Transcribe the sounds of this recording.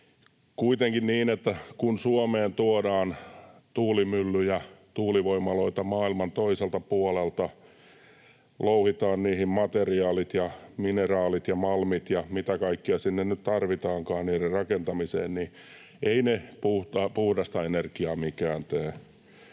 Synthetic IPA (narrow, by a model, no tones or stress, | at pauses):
kuit̪eŋkinniːnet̪ːækunsuomeːnt̪uodɑːnt̪uːlimylːyjɑt̪uːliʋoimːɑloit̪ɑmɑːilmɑnt̪oiselt̪ɑpuolelt̪ɑ | louhit̪ɑːnniːhimmɑt̪eriɑːlit̪jɑminerɑːlit̪jɑmɑlmit̪jɑmit̪ækɑikːiɑsinːennytt̪ɑrʋit̪ɑːŋkɑːnniːrerrɑkent̪ɑmisḛːnni | ʔeinepuht̪ɑpuhdɑst̪ɑenerkiɑːmikæːnt̪øː